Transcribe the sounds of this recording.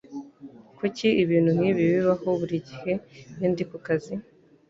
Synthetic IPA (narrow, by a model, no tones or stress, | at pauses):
kuciʔiβiːn̥hun̥iβiβiβaho̞βuɾiɟihe̞iːndikukazi